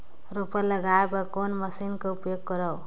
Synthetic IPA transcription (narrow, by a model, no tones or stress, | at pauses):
rupʌlʌɡaebʌkonmʌsinkoupjoɡːʌɾaw